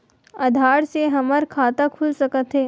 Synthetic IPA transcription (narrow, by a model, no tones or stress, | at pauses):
ɐd̪ʱaːɽseɦɐməɾkʰaːt̪akʰʊlsɐkət̪ɦɛː